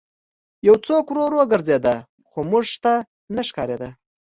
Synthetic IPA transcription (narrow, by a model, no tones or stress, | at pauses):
jawt͡sokɾoɾwoɡəɾzed̪a | xomuʐʂt̪a | naʂkɑɾed̪a